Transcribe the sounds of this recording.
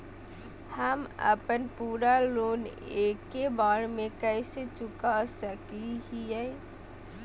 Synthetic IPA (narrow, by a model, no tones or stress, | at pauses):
həmə̰pənpuːɾaloːneːkːebaːɽmẽkɛɪset͡ʃʊkasəkiɦiɛ